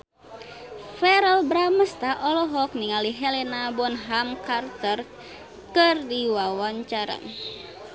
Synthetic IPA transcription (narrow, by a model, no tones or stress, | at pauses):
fɛɾəlbɾaməst̪aʔɔlɔɦɔk̚niŋaliɦɛlɛnabɔnɦamkart̪ər | kɨrdiwawaɲt͡ʃaɾa̰n